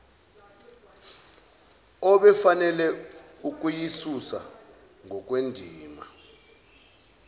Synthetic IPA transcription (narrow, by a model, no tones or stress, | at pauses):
ɔɓɛfanɛlɛuk̬ujisusa | ŋʱɔk̬ʼwendʱiːma